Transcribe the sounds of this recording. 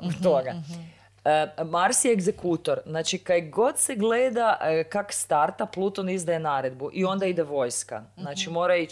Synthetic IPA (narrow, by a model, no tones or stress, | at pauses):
ot̪oɡa | maɾsieɡzekut̪o̞ɾznaːt͡ʃikajɡo̞d̪seɡleːd̪akakst̪aɾt̪aplˠut̪onizd̪ajenaːɾe̞d̪buʔio̞nd̪aid̪eʋo̞jska̰znaːt͡ʃimo̞ːɾai